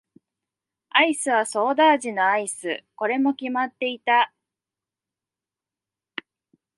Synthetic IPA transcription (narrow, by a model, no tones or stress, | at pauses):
aisɨβ̞aso̞ːd̪aːʑino̞aisɨ̰ko̞ɾe̞mo̞kʲimat̪ːe̞it̪a